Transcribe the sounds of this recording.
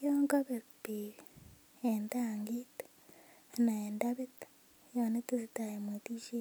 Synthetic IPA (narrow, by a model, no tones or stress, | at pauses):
joːŋɡaβebiːɾ | endaːŋɡit | naeːndaβitḁ | joːnetizitajemwetiʃi